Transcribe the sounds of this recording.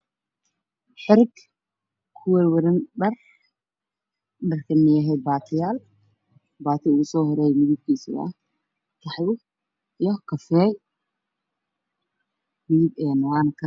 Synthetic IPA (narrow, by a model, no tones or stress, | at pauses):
ħɪɾɪɡ | kʰʊwɛwɐɾɪnɖɐr | ɗɐrkʰɐmɪjɛɦɛd̪̚baːt̪ʰɪjaːl | baːt̪ʰɪʊɣʊsɔːhɔɾɛːjmɪðɪb̚kʰiːsɪ̰ɐ̰ | k̪ʰɐħjʊ | ijɔkʰɐfɛːl | miːɪbɛːnɐwaːnkʰɐ